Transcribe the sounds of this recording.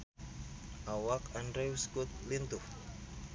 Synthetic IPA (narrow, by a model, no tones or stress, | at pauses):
ʔawakandɾewskut̪̚lint̪ʊh